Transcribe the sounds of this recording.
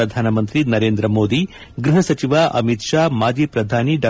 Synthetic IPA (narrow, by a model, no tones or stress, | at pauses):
ɐd̪ʱaːnɐmɐnt̪ɾinɐɾeːnd̪ɾɐmoːd̪i | ɡɾuɦɐsɐt͡ʃiʋaːʔɐ̰mit̪ʂaːmaːd͡ʒiːpɾɐd̪ʱaːniɖɐ